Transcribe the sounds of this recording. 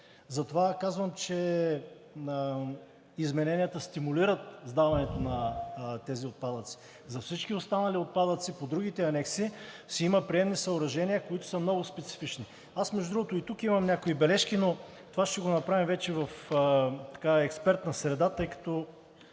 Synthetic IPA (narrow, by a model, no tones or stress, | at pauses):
zɐt̪ovakazvəmt͡ʃɛ | izmɛnɛnijət̪əst̪imuliɾət̪zd̪avɐnɛt̪onɐt̪ɛziot̪̚pad̪ət̪si̥ | zɐfsit͡ʃkiost̪anɐliot̪̚pad̪ət̪sipod̪ɾuɡ̟it̪ɛɐnɛksi | sɛiməpɾiɛmnisɐʊɾɐʒɛnʲiəkoit̪ʊ̥səmnɔɡʊspɛt̪si̥fit͡ʃni | asmɛʒdʊd̪ɾuɡot̪oit̪ukimɐmnʲakoibɛlɛʃkino | t̪ovaʃt̪ɛɡonɐpɾavimvɛt͡ʃɛvɐf | t̪ɐ̥kaɛkspɛɾt̪nɐsɾɛd̪at̪ɤjkɐ̥t̪o